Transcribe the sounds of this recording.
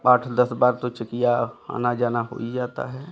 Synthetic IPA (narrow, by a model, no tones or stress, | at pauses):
aːʈʰd̪əsbaːɾt̪ot͡ʃəkijaa̰ːnad͡ʒaːnaɦo̰ːid͡ʒaːt̪a̰ɦɛː